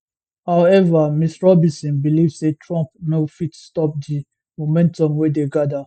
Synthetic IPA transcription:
haʊɛvamisɹɔbĩsĩnbilivsetʰɹɔ̃mp̚nofitstɔp̚di | momɛ̃ntɔ̃mwedeɡada

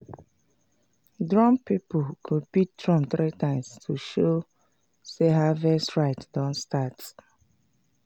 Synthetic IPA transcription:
dɹɔ̃mpipɔkʰopit̚tɹɔ̃mθɹitãɪ̃mstʰuʃo | seɦavɛsɹaɪtdɔ̃ntstat

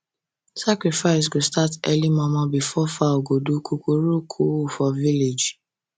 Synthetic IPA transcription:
sakɹifaɪs̬ɡostatɛlimɔ̃mɔ̃bifɔfaoɡodukukoɾukʰufɔviled͡ʒ

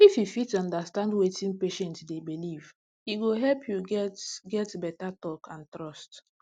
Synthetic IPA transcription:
ififitɔ̃ndastãndwetĩnpeʃɛ̃ntdebiliv | iɡoɦɛlpʰjuɡɛtɡɛtbɛtatɔkʰãntɹɔst

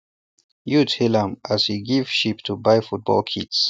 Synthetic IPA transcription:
juthilãmʔaz̥hiɡiv̥ʃiptʰubaɪfut̚b̥ɔ̰lˠkʰits

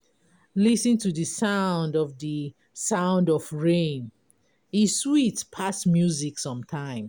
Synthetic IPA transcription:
lisĩntuðəsãʊ̃ndɔvðə | sãʊ̃ndɔvɹẽn | iswitpʰasmjuziksʌ̃mtʰãɪ̃m

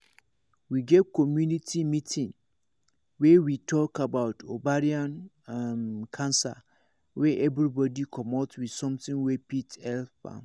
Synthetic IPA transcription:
wiɡɛtkʰɔmjũnitʰimĩtʰɪ̃ŋ | wɛwitʰɔkʰabaʊtʰobaɾiãn | amkʰãnsa̰ | wɛʔɛvɾibɔdikʰɔmɔtwid̥sɔ̃mtʰɪ̃ŋwɛpʰithɛlfa̰

